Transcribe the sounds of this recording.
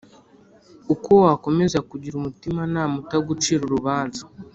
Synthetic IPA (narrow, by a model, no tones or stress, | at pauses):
ukowako̞me̞zakuɟiɾumutimanaːmutaɡut͡ʃiːɾuɾuβaːnzḁ